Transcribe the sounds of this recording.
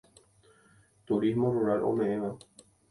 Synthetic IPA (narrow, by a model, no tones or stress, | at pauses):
t̪uɾismõ̞ruɾalʔõ̰mẽ̞ʔẽʋa